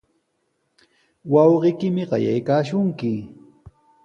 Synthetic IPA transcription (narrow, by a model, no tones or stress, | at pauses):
wɑwɢɪjkɪmɪɢɑ̰ja̰jkaːʃʊŋkɪ